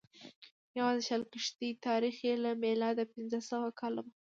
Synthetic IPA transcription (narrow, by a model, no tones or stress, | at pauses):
jawɑzʃalkɪʂt̪it̪ɑɾixelamelɑd̪apɪnzəsawakʰɑlama